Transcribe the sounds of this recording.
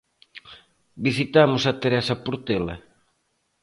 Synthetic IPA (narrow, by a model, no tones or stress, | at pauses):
bisit̪amʊsat̪eɾɛsɐpuɾt̪elɐ̰